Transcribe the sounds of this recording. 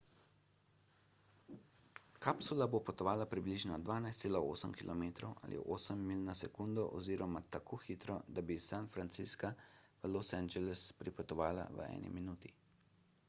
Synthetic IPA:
kapsulabopɔt̪ɔʋaːlapɾibliʒnɔd̪ʋaːnajst̪seːlao̰ːsəmkilɔmeːt̪ɾɔwʔa̰lʔḭʔoːsəmːiːlnɔsɛkund̪ɔʔɔziːɾɔmat̪akʰoːxit̪ɾɔd̪abisanfɾant̪siskaʋəlosɛnd͡ʒɛlɛspɾipɔt̪ɔʋaːla̰ʋə̰ɛ̰ːnḭminuːt̪i

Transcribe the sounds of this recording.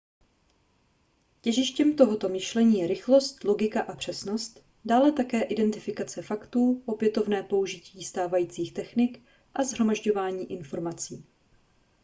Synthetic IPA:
cɛʒɪʃcɛmt̪o̞ɦo̞t̪o̞mɪʃlɛɲiːjɛɾɪxlo̞st̪lo̞ɡɪkaʔapr̝̥ɛsno̞st̪ | daːlɛt̪akɛːʔɪdɛnt̪ɪfɪkat͡sɛfakt̪uːʔo̞pjɛt̪o̞vnɛːpo̞uʒɪciːst̪aːvajiːt͡siːxt̪ɛxnɪk | ʔazɦɾo̞maʒɟo̞vaːɲiːʔɪnfo̞ɾmat͡siː

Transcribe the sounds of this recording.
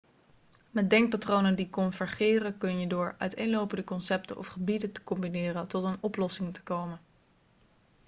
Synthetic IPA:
mɛt̚dɛŋk̚patrownəndikɔnvəɹχɪːrəkɵnjədʊːɹœ̰ɥtejnlowpəndəkɔnsɛp̚tə̰ʔɔ̰fχəbidəntə̥kɔmbinɪːrəntɔtənɔplɔsɪŋtə̥kowmən

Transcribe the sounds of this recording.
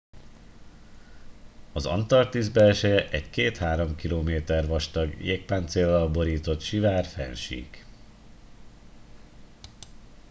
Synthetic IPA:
ɒzɒ̰nt̪ɒrt̪izbɛɛʃɛjɛʔɛckeːt̪haːɾo̞mkiloːmeːt̪ɛrʋɒʃt̪ɒɡjḛːk̚paːnt̪seːlːɒlbo̞ɾiːt̪o̞t̪ʃivaːrfɛ̰nʃḭːk

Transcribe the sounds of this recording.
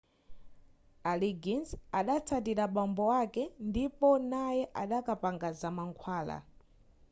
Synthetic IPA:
aliɡinsaɗat͡sʰat̬iɾaɓambɔwakɛndipɔnajɛʔaɗakapaŋɡazamaŋkʰwaːla̰

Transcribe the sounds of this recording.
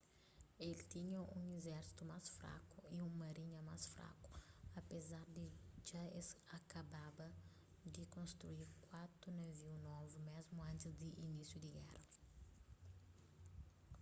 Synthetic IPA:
elit̪iɲɐũŋezɛɾsi̥t̪umasfɾa̰kuiũmɐɾiɲɐmasfɾa̰ku̥ɐpezaɾd̪ɪʒaesɐkɐbabɐ | d̪ɪkõst̪ɾuiɾkwat̪ɾunɐviwnɔvumezmuɐ̃nt̪ɪzd̪ɪʔinisjud̪ɪɡɛrɐ

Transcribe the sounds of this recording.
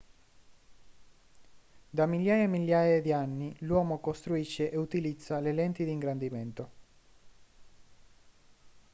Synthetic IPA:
d̪amiljaːjaemːiljaːjed̪ianːilwɔːmokost̪ɾuiʃːeʔeut̪ilid̪zːalelɛnt̪id̪iːŋɡɾand̪iment̪o

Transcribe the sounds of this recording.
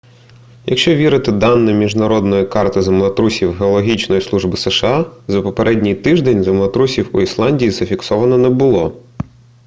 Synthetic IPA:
jɐ̰kʃt͡ʃɔʋʲiɾɪt̪ɪd̪ɑnːɛmʲiʒnɐɾɔd̪nɔjikɑrt̪ɪzɐmlˠɐt̪ɾusʲiwɦeɔlˠɔɦʲit͡ʃnɔjislˠuʒbɪsɛʃeɑzɐpɔpeɾʔɛdʲnʲijt̪ɪʒd̪ɛnʲzɐmlˠɐt̪ɾusʲiwuislˠɑnʲdʲijiz̥ɐfʲiksɔʋɐnɔnɛbʊlˠɔ

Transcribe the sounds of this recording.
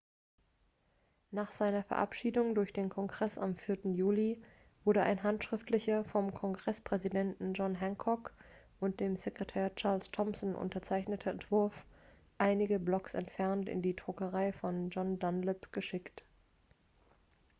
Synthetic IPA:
naːχz̥aɪnɐfɛɐʔa̰pʃiːdʊŋdʊɐçd̥eːnkʰɔŋɡʁɛsamfɪɐtn̩juːli | v̥ʊɐɾəʔa̰ɪnɦantʃʁ̥ɪftlɪçɐfɔmkʰɔŋɡʁɛspʁ̥ɛzidɛntn̩d͡ʒɔnɦaŋkʰɔk | ʔʊnt̚d̥eːmzekʁ̥etʰɛːɐt͡ʃaɐlstʰɔmsn̩ʔʊ̰ntɐt͡saɪçnətʰəɛntv̥ʊɐf | ʔaɪnɪɡəblɔksɛ̰ntfɛɐntɪ̰ndiːdʁʊkəʁaɪfɔnd͡ʒɔndanlɪpɡ̥əʃɪkt

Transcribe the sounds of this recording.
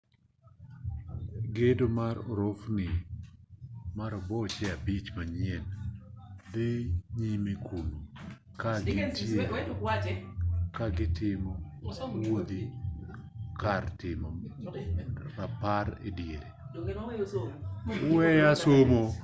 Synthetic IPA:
ɡedomaɾoɾofnɪ | maɾobɔt͡ʃɛabit͡ʃmaɲɪɛn | deɲimekʰulo | kaɡɪte | kaɡɪtɪmɔ | wod̪i | kartɪmɔ | ɾapaɾḛdjeɾe | wɛjasomo

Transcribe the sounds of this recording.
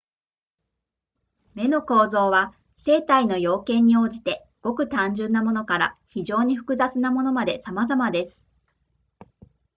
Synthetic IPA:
me̞no̞ko̞ːzo̞ːβa | se̞ːt̪aino̞jo̞ːkẽ̞ɲ̟ːio̞ːʑit̪e̞ | ɡ̥o̞kɯ̟t̪ãɲ̟d͡ʑɨ̃nːamo̞no̞kaɾa̰çiʑo̞ːɲ̟iɸɯ̟̥kɯ̟zat͡sɨnamo̞no̞mad̪e̞samazamad̪e̞sɨ̥

